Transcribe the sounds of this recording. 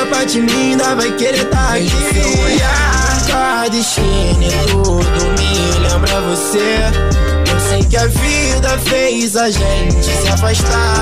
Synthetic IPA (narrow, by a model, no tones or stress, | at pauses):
pat͡ʃimĩd̪ɐvajkeɾet̪akiata | d̪ɪʃenet̪ud̪ʊmɪ | lẽmbɾɐvose | posẽj̃kɪavi | d̪ɐfejzaʒẽt͡ʃɪsɪafaʃt̪a